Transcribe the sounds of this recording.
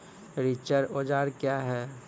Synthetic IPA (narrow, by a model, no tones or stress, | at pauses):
ɾit͡ʃəɾoːd͡ʒaːɾkjaɦɛː